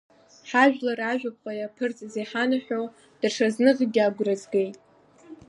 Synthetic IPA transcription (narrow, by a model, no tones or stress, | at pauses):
ħaʒᶣlaraʒᶣap̚ʼqʷʼajapʰɨrt͡sʼzejħanaħʷᶣo | d̥rʂaznɨʁʲɡʲaɡʷrazɡejtʼ